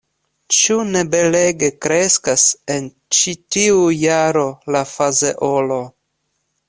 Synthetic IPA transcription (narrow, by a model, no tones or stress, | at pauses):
t͡ʃune̞be̞le̞ɡe̞kɾe̞skase̞n | t͡ʃitiujaɾo̞lafazeʔolo̞